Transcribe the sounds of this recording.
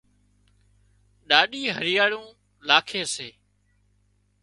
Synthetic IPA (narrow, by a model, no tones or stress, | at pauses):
ɗaːɗiːɦəɾɪjaːɽũː | laːkʰeːseː